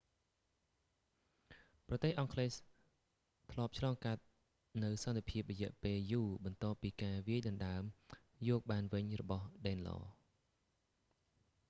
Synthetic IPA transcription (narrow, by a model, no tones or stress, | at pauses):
prɑt̪eːhʔɑŋkʰleːs | t̪ʰlŏəp̚t͡ɕʰlɑːŋkat̪̚ | nɨwsɑnt̪ʰepʰiəp̚rɔjɛ̆əʔpeːljuːɓɑnt̪ŏəːpːiːkaːʋiəjɗɑnɗaəm | jɔːk̚ɓaːnʋɨɲrɔɓɑhɗɛːnlɑ̰ː